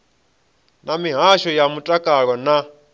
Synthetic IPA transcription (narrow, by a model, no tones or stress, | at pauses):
nʔamiɦaʃɔjamutʼakʼaɺɔna